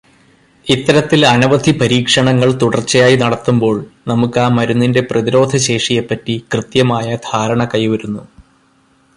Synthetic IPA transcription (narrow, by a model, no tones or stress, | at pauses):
it̪ːɐɾɐt̪ːilɐnɐʋɐd̪ʱipɐɾiːkʂɐɳɐŋːɐɭt̪uɽɐrt͡ɕːɐjaːjinɐɽɐt̪ːumbo̞ːɭnɐmukːaːmɐɾunːinde̞prɐðiɾo̞ːd̪ʱɐɕe̞ːʂijepːɐtːikrɨt̪jɐmaːjɐd̪ʱaːɾɐɳɐkɐjʋɐɾunːu